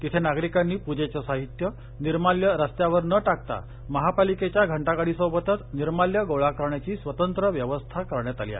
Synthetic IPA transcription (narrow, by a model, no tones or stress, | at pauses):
t̪it̪ʰenaɡɾikanːiːpud͡ʑet͡ɕəsaɦit̪jə | niɾmaljəɾəst̪jaʋəɾnəʈak̚t̪a̰ | məɦapaliket͡ɕjaɡʱəɳʈakaɽ̤iːsəbət̪ət̪niɾmaljəɡowɭakəɾɳjat͡ɕiːsʋət̪ənt̪ɾəʋjəʋəst̪ʰakəɾɳjat̪alia̰